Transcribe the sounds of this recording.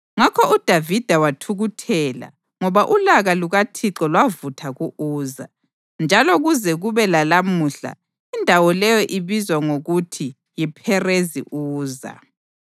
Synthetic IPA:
ŋakʰɔud̥ʱavid̥ʱawatʰuɣutʰɛːla̰ | ŋɔβaʔulaɣaluɣatʰiǁɔlwavutʰaɣuʔuːza̰ | nd͡ʒʱalɔɣuzɛɣuβɛlalamuɬa̰ | indʱawɔlɛjɔʔiβizwaŋoɣutʰi | jipʰɛrezḭʔuːza̰

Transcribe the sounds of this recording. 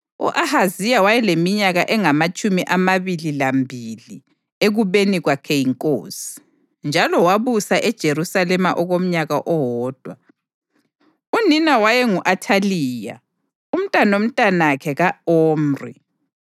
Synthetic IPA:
ṵʔahazijawajɛlemiɲaɣaʔɛŋamat͡ʃʼumiʔamaβililambʱili | eɣuβeniɣwakʰɛjiŋkʼosi̥ | nd͡ʒʱalɔwaβusaʔɛd̥ʒ̥ʱeɾusalɛma̰ʔɔɣom̩ɲaɣaʔɔɦɔːd̥ʱwa | uninawajɛŋuʔatʰaliːja̰ | um̩tʼanom̩tʼanakʰɛɣaoːmrḭ

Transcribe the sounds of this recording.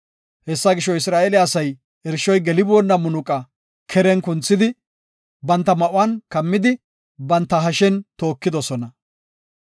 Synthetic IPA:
hɛsːɐɡɪʃɔɪsɾaːʔelɪɐsɐj | ɛɾʃɔjɡɛlɪbɔnːɐmʊnʊkʼɐ | kʰɛɾɛnkʊnt͡sːɪd̪ɪ | bɐnt̪ːɐmɐʔʊwankɐmːɪd̪ɪ | bɐnt̪ːɐɦɐʃɛnt̪o̞ːkːɪd̪ɔsɔnɐ

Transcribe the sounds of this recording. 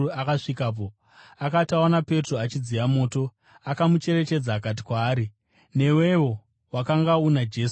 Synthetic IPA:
akaʂikaːp̬o̞ | akataonape̞troat͡ʃid͡zijamo̞ːto̞ | akamut͡ʃe̞ɾe̞t͡ʃe̞d͡zaːkat̬i̥kwaːɾi | ne̞we̞wo̞ | wakaŋɡaunad͡ʒe̞ːs

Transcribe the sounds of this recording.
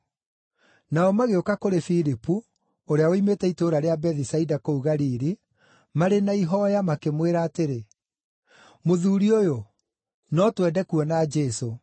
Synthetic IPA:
naɔmaɣeokakoɾefiɾipu | oɾeaoimetɛitoːɾaɾeabɛðisaidakouɣaɾiɾi | maɾenaiɦɔjamakemweɾaːteɾe | moðuːɾiojo | nɔtwɛdɛkuɔnad͡ʒɛso

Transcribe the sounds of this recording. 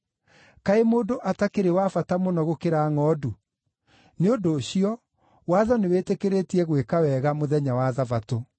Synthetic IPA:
kaemoːdoʔatakeɾewafatamonɔɣokeɾaŋɔːdu | neondoːɕiɔ | waðɔnewetekeɾetiɛɣwekawɛɣamoðɛɲawaðavato

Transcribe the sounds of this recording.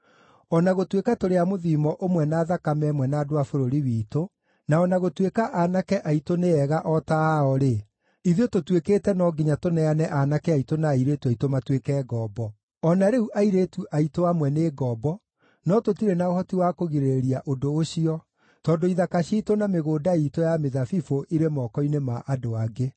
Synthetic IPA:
ɔnaɣotwekatoɾeamoðiːmɔʔomwɛnaːðakamɛmwɛnaːdoafoɾoɾiwiːto | naɔnaɣotwekaʔanakɛʔaitoneɛɣaʔɔtaɔɾe | iðiototwekeːtɛnɔɡiɲatonɛanɛʔanakɛaitonaiɾetuaitomatwekɛːɡɔːbɔ | ɔnaɾeuʔaiɾetuʔaitoamwɛneːɡɔbɔ | nɔtotiɾenaohɔtiwakoɣiɾeɾiaʔodoːʃiɔ | tɔːdoiðakaʃiːtonameɣoːdaitojameðafifoʔiɾemɔkɔinemaʔadoaɡe

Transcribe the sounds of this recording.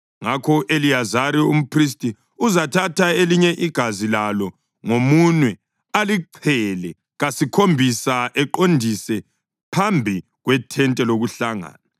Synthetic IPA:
ŋakʰɔʔelijazaɾium̩pʰris̬tʼi | uzatʰatʰaeliɲɛʔiɡ̥ʱazilalɔ | ŋomunwɛ | aliǀʰɛlɛ | ɣasikʰombʱisaʔɛǃondʱisɛ | pʰambʱi | ɣwɛtʰɛntʼɛloɣuɬaŋa̰ːna

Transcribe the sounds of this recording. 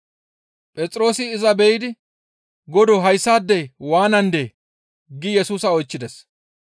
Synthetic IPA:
pʼɛt͡sʼɾo̞ːsɪːzɐbɛjɪd̪ɪ | ɡɔd̪ɔɦɐjsːaːd̪ːɛjwaːnɐnd̪eː | ɡɪjɛsuːsɐɔjt͡ʃːɪd̪ɛs

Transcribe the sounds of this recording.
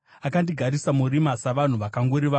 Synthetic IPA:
akandiɡʱaɾisamuɾimasaʋan̤uʋakaŋɡoɾiʋa

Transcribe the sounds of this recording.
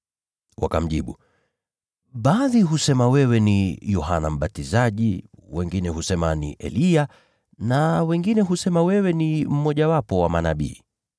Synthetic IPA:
wa̰kam̩ʄiɓu | ɓaːðiɦusɛmawɛwɛnijɔɦanam̩ɓatizaʄiwɛŋɡinɛɦusɛmanḭʔɛ̰lia | nawɛŋɡinɛɦusɛmawɛwɛnim̩mɔʄawapɔwamanaɓḭː

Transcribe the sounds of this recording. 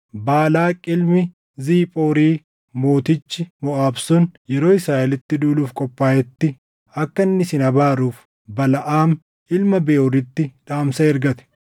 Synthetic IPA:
baːlaːkʼɪlmɪ | ziːpʼoːɾiː | moːt̪ɪt͡ʃːɪmɔʔaːbsʊnjɛɾoːɪsɾaːʔɛlɪt̪ːɪd̪uːluːfkʼɔpʼːaːjɛt̪ːɪ | ɐkːɐnːɪsɪnɐbaːɾuːf | bɐlɐʔaːm | ʔɪlmɐbeːʔʊrɪt̪ːɪᶑaːmsɐɛɾɡɐt̪ɛ̥

